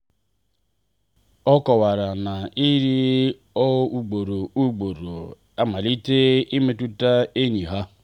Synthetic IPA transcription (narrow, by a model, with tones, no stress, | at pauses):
ɔ˦kɔ˨wa˨ɾa˨na˨i˦ɾi˦ | ɔ˦u˨ɡ͡bo˨ɾo˨u˦ɡ͡bo˨ɾo˨ | a˦ma˨li˦te˦i˦me˦tu˦ta˦e˦ɲi˨ɦa˦